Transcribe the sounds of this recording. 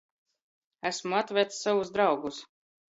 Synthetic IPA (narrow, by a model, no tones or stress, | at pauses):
æsmuat̪vʲɛjt̪ssavuzd̪ɾawɡus